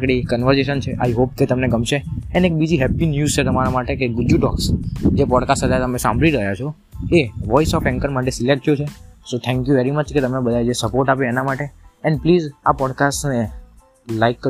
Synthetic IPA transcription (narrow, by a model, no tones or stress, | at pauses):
kɽikənʋəɾseʃənt͡ʃʰeʔa̰jiɦop̚ket̪əmneɡəmʃeɛnek̚bid͡ʒiɦɛpinjuzt͡ʃʰet̪əmaɾamaʈekeɡʊdjuʈɔ̰ksd͡ʒepɔɖkasʈɦət̪jat̪əmesã̰mbʱɭiɾəɦjat͡ʃʰo | eʋɔisɔfɛ̃ŋkəɾmaʈ̬esilek̚ʈjut͡ʃʰesot̪ʰɛ̃ŋkjuʋɛɾimət͡ʃket̪əmebəd̪ʱajd͡ʒesəpoɾʈapjoenamaʈeɛ̃npliːzapɔɖkasʈne | laikːə